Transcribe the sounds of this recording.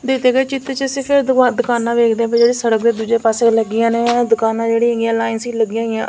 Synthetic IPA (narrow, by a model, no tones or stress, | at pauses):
d̪eːd̪eːɡeːt͡ʃɪt̪ːt͡ʃəsĩːpʰɪɾad̪ʊkaːnãːʋeːkʰd̪eːɛ̃ped͡ʒeːɽeːsəɽəkd̪eːd̪uːd͡ʒeːpaːseːləɡɪjãːneːd̪ʊkaːnãːd͡ʒeːɽiːəɡɪjãːlaːɪnsiːləɡɪjãːɪjã̰ː